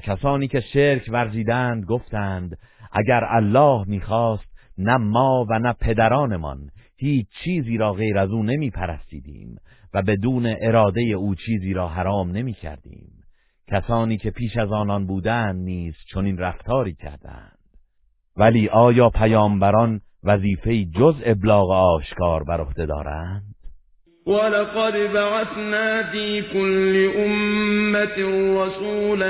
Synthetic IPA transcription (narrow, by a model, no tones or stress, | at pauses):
kcʰæsɒːniːce̞ʃeɾcʰvæɾziːd̪ænd̪̚ɡo̞ft̪æːnd̪ʔæ̰ɟæɾælːɒːhmiːxɒːst̪̚næmɒːvænæpʰe̞d̪æɾɒːne̞mɒ̰nhiːt͡ʃʰt͡ʃʰiːziːɾɒːɣe̞jɾæzuːne̞miːpʰæɾæst̪ḭːd̪ḭːmvæbe̞d̪uːne̞ʔeɾɒːd̪e̞je̞uːt͡ʃʰiːziːɾɒːɦæɾɒːmne̞miːcʰæ̰ɾd̪̥ḭːm | cʰæsɒːniːcʰe̞pʰiːʃæzɒːnɒnbuːd̪ænd̪niːz̥t͡ʃʰo̞niːnræft̪ʰɒːɾiːcʰæ̰ɾd̪æ̰nd̪̥ | væliːʔɒːjɒːpʰæjɒːmbæɾɒn | væziːfe̞iːd͡ʒoze̞blɒːɣeɒːʃkʰɒːɾbæɾo̞hd̪e̞d̪ɒ̰ːɾænd̪̥ | walɑqɑd̪baʕaθnaːfiːkʊlːɪʔʊmːat̪ɾɑsuːl